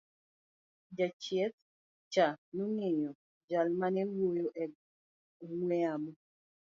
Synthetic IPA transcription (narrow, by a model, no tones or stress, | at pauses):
d͡ʒat͡ʃjɛt̪̚ | t͡ʃanuŋɪɲɔ | d͡ʒalmanɛwojoʔɛ | ŋwɛamɔ